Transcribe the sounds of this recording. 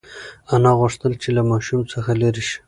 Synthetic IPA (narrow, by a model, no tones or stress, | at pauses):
anɑɣʊʂt̪əlt͡ʃelamɑʃumt͡səxaleɾiʃi̥